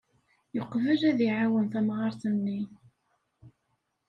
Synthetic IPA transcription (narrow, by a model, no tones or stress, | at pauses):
joqːvəlæðiʕawənθæmʁɑɾθənːi